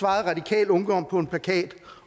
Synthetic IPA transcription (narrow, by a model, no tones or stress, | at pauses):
ʋɑ̈ːð̩ˠʁɑ̈d̥ikʰɛ̰ːlɔ̽ŋd̥ɒ̽m̰pʰɒ̽e̝npʰlækʰɛ̰ːd̥